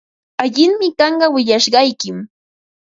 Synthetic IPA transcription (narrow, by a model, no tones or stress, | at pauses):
aʎɪŋmɪkɑɴɢɑwɪʎaʃɢɑjkɪm